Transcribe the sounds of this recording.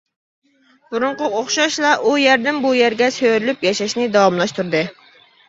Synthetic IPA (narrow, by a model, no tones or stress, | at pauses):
b̥uɾʊɴqʊoχʃɑʃlˠɑʔujæɾd̪ɪmbujæɾɡʲɛsøɾylypjɑʃɑʃnɪd̪ɑwɑmlˠɑʃt̪uɾd̪ɨ